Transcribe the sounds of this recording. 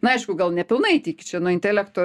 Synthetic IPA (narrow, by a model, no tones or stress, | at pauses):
nʊɐɪʃkʊɡɐlˠnʲɛpʲɪlˠnɐɪt̪ʲiːkʲt͡ʃʲɛnʊɪnʲt̪ʲɛlʲækt̪oː